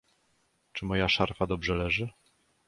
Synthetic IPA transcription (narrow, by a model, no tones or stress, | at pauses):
t͡ʂɘmɔjaʂaɾfad̪ɔbʐɛlɛʐɘ